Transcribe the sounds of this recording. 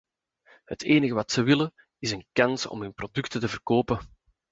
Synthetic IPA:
hətʰeːnəɣəʋɑtsəʋɪlə | ɪzənkɑnsɔ̰mɦɵnprodʏktətəvərkoːpə

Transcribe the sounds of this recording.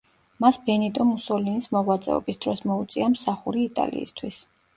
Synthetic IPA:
masbɛnit̪ʼɔmusɔlinismɔʁwat̪sʼɛ̰ɔ̰bisd̪ɾɔsmɔut̪sʼiamsaχuɾiːt̪ʼa̰lḭːst̪ʰwis

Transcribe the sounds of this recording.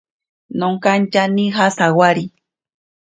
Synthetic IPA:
noŋkant͡ʃanĩɦasawaɾi

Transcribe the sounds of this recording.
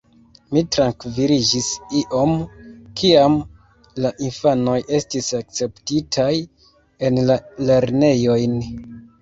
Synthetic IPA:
mitɾaŋkviɾid͡ʒisiʔo̞mkʰiam | laʔinfano̞jʔe̞stisak̚t͡se̞ptitʰaj | e̞nlale̞ɾne̞jo̞jn

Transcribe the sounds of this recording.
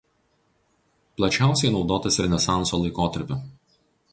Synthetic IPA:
plˠɐt͡ʃʲæˑʊsʲɛɪnɒʊd̪oːt̪ɐsɾʲɛnʲɛsɑˑnsoːlˠɐɪkoːt̪ɐɾʲpʲʊ

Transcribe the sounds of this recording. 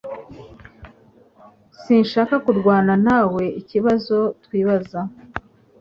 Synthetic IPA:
sinʃaːkakuɾɡwaːnanaːwe̞ʔiciβazo̞twiːβaza

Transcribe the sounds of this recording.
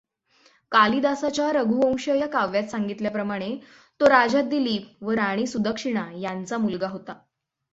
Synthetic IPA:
kalid̪asat͡ɕjaɾəɡʱuə̃w̃ɕəjakaʋjat̪saŋɡit̪ljapɾəmaɽ̃e | t̪oɾad͡ʑad̪iliːpʋəɾaɽ̃iːsud̪əkʂiɽ̃ajant͡samulɡaɦot̪a

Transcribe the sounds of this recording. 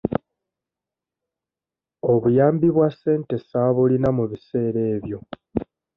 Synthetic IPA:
o̞βujaːmbiβwasːe̞ːnte̞saβulinamuβise̞ːɾe̞ːβjo̞

